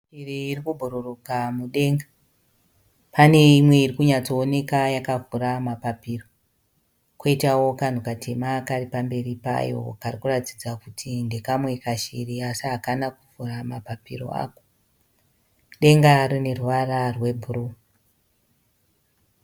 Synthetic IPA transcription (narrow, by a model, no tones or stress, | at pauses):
ʃiriːrikubʱuɾurukamuɗe̞ŋɡa | pane̞imwe̞irikuɲat͡so̞ːne̞kajakavuɾamapapiːro̞ | koitawo̞kan̤ukatʰe̞makaripambe̞ɾipa̰jo̞̰karikuratitid͡zakutʰinde̞kamwe̞kaʃiriasiɦakanakuvuramapapḭro̰a̰ːko̥ | ɗe̞ŋɡarine̞rwararwe̞bʱuru